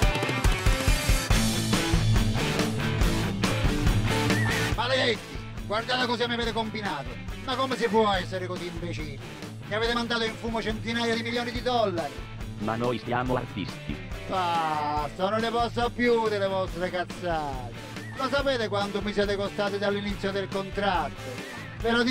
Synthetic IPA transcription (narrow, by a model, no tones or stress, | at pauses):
maleɛkːi | ɡward̪aːt̪akɔsiamːiaveːt̪ekombinaːt̪ʊmakːɔmes̬ɪpwɔɛsːeɾɪkosiːmpet͡ʃin | miaveːt̪emand̪aːt̪oiɱfuːmot͡ʃɛnt̪inaːjad̪imiljɔːnid̪id̪ɔlːaɾi | ma̰nɔjsjaːmʊa̰rt̪ḭst̪ḭfasɔnolɪpɔst̪ːapːjud̪elevɔst̪ɾekat̪sːaːt̪e | lɔs̬apɛːt̪ekwant̪ʊmisjɛːt̪ekost̪aːt̪ɪd̪alːinit̪sːjod̪elkont̪ɾat̪ːo | peɾɔ